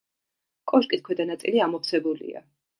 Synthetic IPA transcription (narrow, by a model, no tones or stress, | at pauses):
kʼɔʃkʼit̪̚kʰwɛd̪anat̪sʼiliamɔχt̪sʰɛbulḭa̰